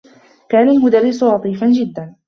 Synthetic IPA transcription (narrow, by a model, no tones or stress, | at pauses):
kaːnalmʊd̪arːɪsʊlɑt̪ˤiːfand͡ʒɪd̪ːan